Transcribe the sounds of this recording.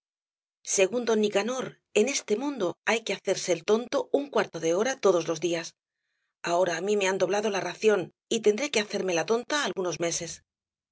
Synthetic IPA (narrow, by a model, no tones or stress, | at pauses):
se̞ɣ̞und̪o̞nːikano̞ɾ | e̞ne̞st̪e̞mũnd̪oajke̞aθe̞ɾse̞ːlt̪o̞nt̪o̞uŋkwaɾt̪o̞ðe̞o̞ɾat̪o̞ð̞o̞zlo̞zðias | ao̞ɾaːmime̞and̪o̞βlaðo̞laraθjo̞n | it̪e̞nd̪ɾeke̞aθe̞ɾme̞lat̪o̞nt̪aːlɣuno̞zme̞se̞s